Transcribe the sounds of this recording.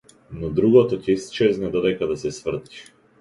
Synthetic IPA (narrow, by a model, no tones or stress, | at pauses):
nɔd̪ɾuɡɔt̪ɔcɛist͡ʃɛznɛd̪ɔd̪ɛjkad̪asɛsvr̩t̪i̥